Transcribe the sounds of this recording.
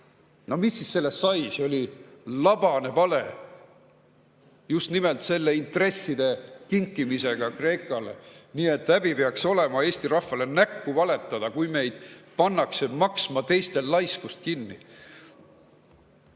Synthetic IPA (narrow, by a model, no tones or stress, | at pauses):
nomisːisse̞lːest̪sɑjseo̞lʲilɑb̥ɑne̞pɑle | just̪nime̞lt̪se̞lːe̞int̪ˑre̞sːid̪̥e̞k̪iŋkːimise̞ɡ̥ɑkre̞ːkːˑɑle̞̰niːe̞t̪ːˑæb̥ipeɑkso̞le̞mɑe̞ːst̪iɾɑhvɑle̞nækːuvɑle̞t̪ːˑɑd̪̥ɑkujme̞jd̪̥pɑnːɑkse̞mɑksmɑt̪e̞jst̪e̞llɑjskust̪̚kinːḭ